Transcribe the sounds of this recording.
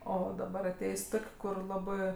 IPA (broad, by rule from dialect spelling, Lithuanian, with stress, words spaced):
ˈoː dɐˈbɐr ɐˈtʲeːjsʲ ˈtoːkʲ ˈkʊr ˈlˠɑːbɜ